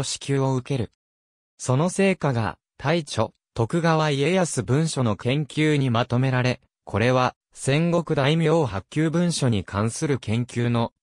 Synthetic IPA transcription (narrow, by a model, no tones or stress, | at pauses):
oɕi̥kʲɨːo̞ɯ̟ke̞ɾɯ̟ | so̞no̞se̞ːkaɡa̰ | t̪ʰait͡ɕo̞̰ | t̪o̞kɯ̟ɡaβaie̞jasɨbɯ̟̃ɰ̃ɕo̞no̞kẽ̞ŋkʲɨːɲ̟imat̪o̞me̞ɾaɾe̞ | kʰo̞ɾe̞βa | sẽ̞ŋɡo̞kɯ̟d̪aimʲjoːɦakʲːɨːbɯ̟̃ɰ̃ɕo̞ɲ̟ikʰãɰ̃sɨɾɯ̟kẽ̞ŋkʲɨːno̞